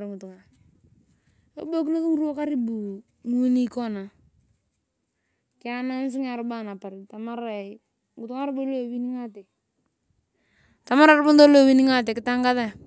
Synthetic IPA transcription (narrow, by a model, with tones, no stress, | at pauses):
ɾŋu˨tu˨ŋa˨ɾ | o̰˦bo˦k̬i˦no˦tu˦ŋ˦ɾu˦o˦ka˦ɾi˦bu˨ | nu˦ni˦kɔ˦na˨ | kɪ˦a˦na˦n˦s̬i˦ŋa˨ɾba˦˨na˨pa˨ɾi˨ta˨ma˦ɾa˨ | ŋɡʊ˨tu˦ŋa˦ɾbo˦lo˦˨wi˦ni˦ŋa˦tɛ˨ | ta˨ma˦ɾa˨ɾbʊ˦n˦do˦lo˦˨wi˦ni˦ŋa˦t̬e˨kɪ˦ta˦ŋɡa˦ða˦˨